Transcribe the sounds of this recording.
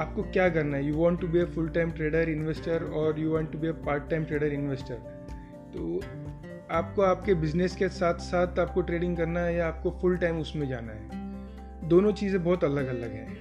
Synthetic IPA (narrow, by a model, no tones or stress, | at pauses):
aːp̚kokjaːkɐɾnaɦɛjuːʋɔ̃ːɳʈːubiefʊlʈaːɪmʈɾeːɖəɾɪ̃nʋesʈəɾɔːɾjuːʋãːɳʈːubiepaːɾʈːaːɪmʈɾeːɖəɾɪ̃nʋeːsʈəɾ | t̪oː | aːp̚koaːp̚kebɪd͡ʒneskesaːt̪ʰsaːt̪ʰaːp̚koʈɾeːɖɪ̃ŋɡkɐɾnaɦɛjaaːp̚kofʊlʈaɪmʊsmẽd͡ʒa̰ːna̰ɦɛ̰ː | d̪oːnõt͡ʃiːzẽbɔːt̪ɐləɡɐləɡɦɛ̰̃ː